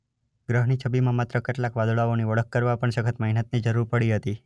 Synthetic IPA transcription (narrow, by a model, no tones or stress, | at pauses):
ɡɾəɦnit͡ʃʰəbimãmat̪ɾəkɪʈlakʋad̪ɭaoniʋəɭəkːəɾʋapəɳsəkʰət̪məɦinət̪̚nid͡ʒəɾuɾpəɽiɦət̪i